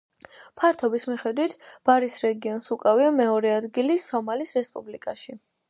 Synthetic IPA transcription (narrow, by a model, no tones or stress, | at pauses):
pʰaɾt̪ʰɔbismiχɛd̪wit̪ʰb̥aɾisɾɛɡiɔnsukʼaviamɛɔɾɛad̪ɡilisɔmalisɾɛspʼublikʼaʃi